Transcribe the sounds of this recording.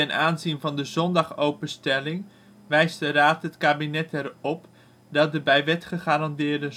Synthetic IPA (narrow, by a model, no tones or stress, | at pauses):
tɛnaːnzinvɑndəzɔndɑχowpənstɛlɪŋ | ʋɛjzdəraːtɦətkaːbinɛtɛrɔp | dɑt̚dəbɛjʋɛtχəχaːɾɑndɪːɹdə